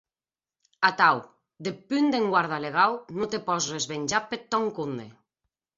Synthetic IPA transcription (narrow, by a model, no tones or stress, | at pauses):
at̪aw | d̪epynd̪eŋɡwaɾð̞aleɣ̞awnot̪epɔsrezβeɲʲd͡ʒapet̪ːɔŋkund̪ḛ